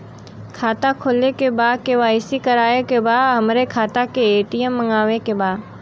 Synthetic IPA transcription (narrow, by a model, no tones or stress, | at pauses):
kʰaːt̪akʰoːlekebaːd̪̚keʋaːɪsikəɾaːekebaːd̪ɦɐmɾekʰaːt̪akeeːʈijəmːə̃ŋɡaːʋekebaːd̪